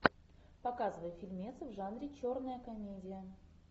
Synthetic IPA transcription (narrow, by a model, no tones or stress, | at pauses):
pɐkazɨvəjfʲilʲmʲet̪sɨvʐanɾʲɪt͡ɕornəjəkɐmʲedʲɪjə